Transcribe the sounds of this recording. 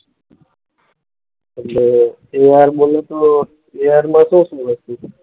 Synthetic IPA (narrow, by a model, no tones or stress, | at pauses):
əle | eːaːɾboːleːt̪oː | eːaːɾmãːsõːsõʋəst̪iː